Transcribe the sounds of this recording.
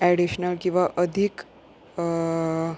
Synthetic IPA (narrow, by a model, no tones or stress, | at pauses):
ɛɽiɕnəlkĩw̃ʋaʔəd̪ʱik